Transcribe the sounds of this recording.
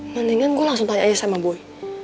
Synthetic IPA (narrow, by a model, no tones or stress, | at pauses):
ŋandəŋanɡualaŋsʊŋt̪ajʔajasamaboɛ